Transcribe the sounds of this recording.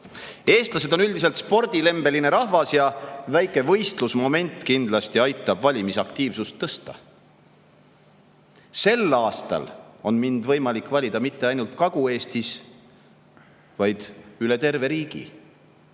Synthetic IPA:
e̞ːst̪lɑse̞d̪o̞nyld̪is̬e̞lt̪spo̞rd̪̥ile̞mb̥e̞line̞ɾɑhvɑsjɑvæjkˑe̞vɤ̞jst̪lusmo̞me̞nt̪ːˑkind̪lɑst̪iɑjt̪ːˑɑbvɑlʲimisɑkt̪iːvsust̪ːɤst̪ɑ̰ | se̞lːɑːst̪ɑ̰lo̞nmind̪̥vɤjmɑlikˑːvɑlʲid̪̥ɑmit̪ːe̞ɑjnult̪kɑɡ̥ue̞ːst̪is | vɑjd̪̥yle̞t̪e̞rve̞ɾiːɡ̥ḭ

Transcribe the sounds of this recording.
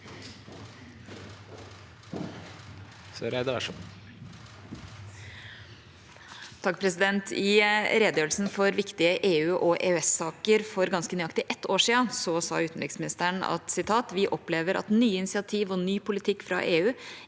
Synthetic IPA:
sɔɾɛd̪əʋæ̰ʂɔ | t̪ʰɑkːpʰɾɛsɪd̪ɛnt̪ʰɪɾeːd̪jøːl̩sn̩fɔɾʋɪkt̪ɪəʔeːʉːʔɔʔḛːʉɛsɑːkəɾfɔɾɡɑnskənyːɑkt̪ɪʔɛt̪ːoːʂiːənsɔsɑ̰ːʉːt̪n̩ɾɪksmɪnɪst̪əɳɑ̰t̪sɪt̪ʰɑːt̪ʋɪʔɔpleːʋəɾʔɑ̰t̪nyːəɪnɪsɪɑt̪ʰiːʋɔnyːpʊlɪt̪ʰɪkːfɾɑ̰ːʔeːʉː

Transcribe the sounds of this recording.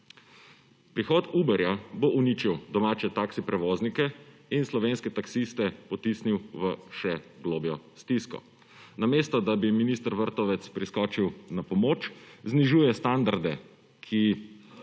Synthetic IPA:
pɾixɔːt̪ubɛɾjaboʔuniːt͡ʃiwd̪ɔmaːt͡ʃɛt̪aksipɾɛʋoːznikɛinslɔʋeːnskɛt̪aksist̪ɛpɔt̪isniwʋəʃɛɡloːbjɔst̪iskɔ̰ | nameːst̪ɔd̪abiminist̪əɾʋəɾt̪ɔʋɛt̪spɾiskɔːt͡ʃiwnapɔmoːt͡ʃzniʒuːjɛst̪and̪aɾd̪ɛ | kʰi

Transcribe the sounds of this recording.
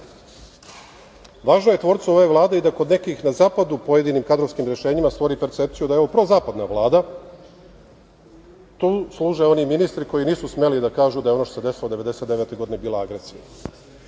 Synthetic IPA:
ʋaːʒnoje̞t̪ʋo̞ːɾt̪suoʋeʋlˠaːd̪eid̪akod̪ne̞kixnazaːpad̪upo̞je̞d̪iniːmkad̪ɾoʋskimɾe̞ʃe̞ːɲimast̪ʋo̞ɾipe̞ɾt̪sep̚t̪sijud̪aeo̞ʋopɾozaːpad̪naʋlˠaːd̪a | t̪uːslˠuːʒao̞niminist̪ɾiko̞jiniːsusme̞lid̪akaːʒud̪ajeonoʃt̪osed̪e̞silo̞d̪e̞ʋe̞d̪e̞se̞t̪d̪eʋet̪o̞jɡod̪inebiːlˠaaɡɾesḭja̰

